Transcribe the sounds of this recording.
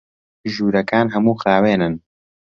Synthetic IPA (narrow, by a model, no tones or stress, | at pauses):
ʒuːɾɐkaːnɦɐmuːxɾaːweːnɨn